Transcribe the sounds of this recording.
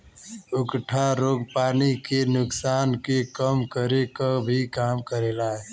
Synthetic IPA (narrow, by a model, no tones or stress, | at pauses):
ʊkʈʰaɾoːɡpaːnikenʊksaːnkekəmkəɾekabʱikaːmkəɾeːlaːɦɛ